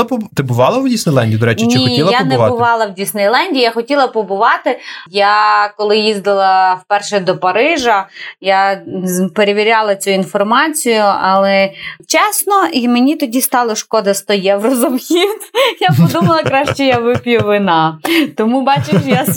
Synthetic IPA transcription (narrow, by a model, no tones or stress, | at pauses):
pɔt̪ɪbʊʋɑlˠɐwdʲisnɪjlˠɛnʲdʲiːd̪ɔɾɛnʲt͡ʃɪixilˠɐjanɛʊʋɑlˠɐwdʲisnɐjlˠanʲdʲijːjaxɔtʲilˠɐpɔbʊʋɑt̪ɪjakɔlˠɪjizd̪ɐlˠɐwpɛrʃɛd̪ɔpɐɾɪʒɐja | peɾeʋʲiɾʲalˠɐt͡sʲuinfɔrmɑt͡sʲijʊɐlˠɛt͡ʃɛsnɔimenʲit̪ɔdʲist̪ɑlˠɔʃkɔd̪ɐst̪ɔjɛwrɔzɔmxʲiwt̪ʲjapɔd̪umɐlˠɐkɾaʃt͡ʃɛjɐʋɪpʲjʊʋɪnɑt̪ɔmubɑt͡ʃɪʃja